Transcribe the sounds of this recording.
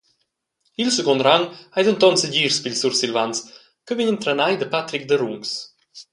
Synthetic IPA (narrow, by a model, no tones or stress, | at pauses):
ilsəɡɔnɾaŋhajd̪ənt̪ɔnsəɟiːɾspilsuɾsilvans | kəviɲənt̪ɾanajd̪əpat̪ɾik̚d̪əɾuŋs